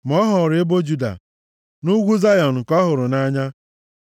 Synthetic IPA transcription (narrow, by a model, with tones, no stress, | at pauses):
m̩˨ɔ˦ɦɔ˨ɾe˦bo˦d͡ʒu˦da̰˨ | nu˦ɡʷu˦za˦jɔ˨n̩˨kɔ˦ɦʊ˨ɾʊ˨na˦ɲa˦